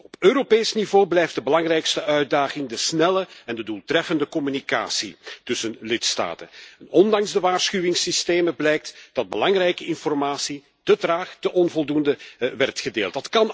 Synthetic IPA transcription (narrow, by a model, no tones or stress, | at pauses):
ɔpøːɾopeːsnivoːblɛjftdəbəlɑŋrɛjkstəʔœɥ̚daːɣɪŋdəsnɛləɛndədulˠtrɛfəndəkɔmynika̰ːsitɵsənlɪtsta̰ːtənɛnɔndɑŋzdəʋaːrsxyʋɪŋsisteːməblɛjk̚td̥ɑd̚bəlɑŋrɛjkəɪnfɔrmaːsi | tətraːxtəʔɔnvɔlˠdundəʋɛrtxədeːlˠt̚dɑtkɑn